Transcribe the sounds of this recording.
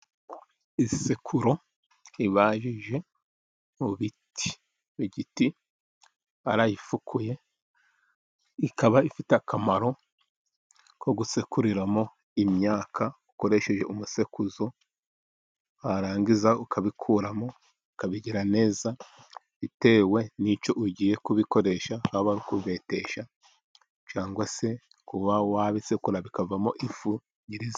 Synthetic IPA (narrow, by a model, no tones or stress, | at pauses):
isekʰuɾo̞ | iβaːʒiʒe̞ | uβitʰi̥ | βiɟiti | aɾajifukʰuje̞ | ikaβaifiteakamaɾo̞ | koɡusekuɾiɾamo̞ | imɲaːkʰauko̞ɾe̞ʃe̞ʒe̞umuse̞kuzo̞ | haɾaːŋɡizaukʰaβikʰuːɾamo̞ | ukaβiɟiɾane̞ːza | βite̞ːwe̞nit͡ʃo̞ʔuɟije̞kuβiko̞ɾe̞ʃahahoβaɾikuβe̞te̞ʃa | t͡ʃaːŋɡwase̞ | kuβawaβisekuɾaβikavamo̞ʔifu | ɟiɾiz